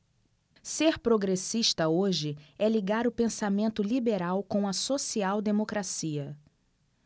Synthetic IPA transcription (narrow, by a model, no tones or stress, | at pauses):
seɾpɾoɡɾesiʃt̪ɐoʒɪɛliɡaɾʊpẽsamẽnt̪ʊlibeɾawkõw̃ɐsosiawd̪emokɾasiɐ